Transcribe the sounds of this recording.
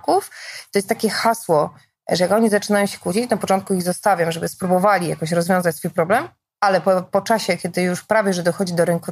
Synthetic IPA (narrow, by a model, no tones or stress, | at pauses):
kuft̪ɔjɛst̪akʲɛxaswɔ | ʐɛjakɔɲizat͡ʂɘnajɔ̃mɕɛ̥kut͡ɕit͡ɕnapɔt͡ʂɔnt̪̚kuiɣzɔst̪avʲjɔmʐɛbɘspɾubɔvalʲija̰kɔɕɾɔzvʲjɔ̃zat͡ɕsfujpɾɔblɛm | alɛpɔpɔt͡ʂaɕɛkʲɛd̪ɘjuʂpɾavʲjɛʐɛd̪ɔxɔd͡ʑid̪ɔɾɘŋku